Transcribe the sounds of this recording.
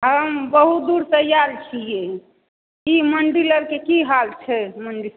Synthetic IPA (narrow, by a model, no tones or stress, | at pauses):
ɦəmbəɦut̪̚d̪uɾt̪əjaɾt͡ʃʰije | iməɳɖiləɾkekiɦalt͡ʃʰɛməɳɖi